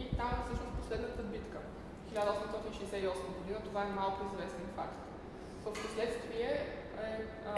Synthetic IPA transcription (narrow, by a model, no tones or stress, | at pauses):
it̪amɛfsɤʃnʊs̚poslɛd̪nət̪əbit̪kə | xilʲad̪əɔsɛmst̪ɔt̪inʃiɛsɛiɔsməɡod̪inət̪ovaɛmalˠkʊizvɛsɛnfakt̪ | vəfposlɛt̪st̪viɛ | ɛ